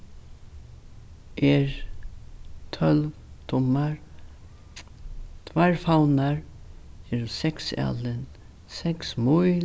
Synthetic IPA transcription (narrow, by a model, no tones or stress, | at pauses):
ʔɛɹ | t̪ʰœlvt̪ʰʊmaɹ | t̪ʰvaɹfawnaɹɛɾsɛksa̰lɪn | sɛksmʊj